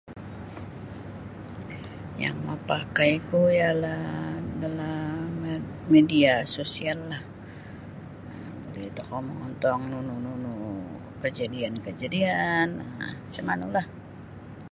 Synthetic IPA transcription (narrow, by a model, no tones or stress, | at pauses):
ja̰ŋmapakajkujaladalammediasosialːah | ə | bulɛit̪ukawməŋɔnt̪ɔŋnunununu | kəd͡ʒadiankəd͡ʒadianət͡ʃəmanulah